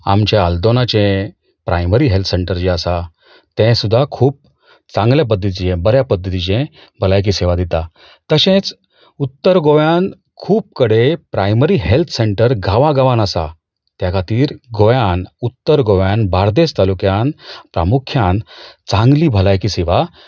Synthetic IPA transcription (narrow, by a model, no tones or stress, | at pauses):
a̰mt͡ɕjaald̪onat͡ɕẽ | pɾa̰jməɾiɦelt̪ʰseɳʈəɾd͡ʑeəsa | t̪ɛ̃sud̪ʱːakʰuːp̚ | t͡sãŋɡljap̬əd̪ʱːət̪̬iijẽbəɾjapəd̪ʱːət̪id͡ʑẽ | bʱəlajk̬iːseʋad̪it̪a | t̪əɕẽt͡s | ut̪ːəɾɡojan | kʰuːp̚kəɽepɾajməɾiːɦelt̪ʰseɳʈəɾɡʱaʋãɡaʋanəsa̰ | t̪jakʰat̪iːɾɡojanut̪ːəɾɡoʋjanbʱaɾd̪est̪alukjanpɾa̰mukʰjant͡sãŋɡliːbʱəlajkiːseʋa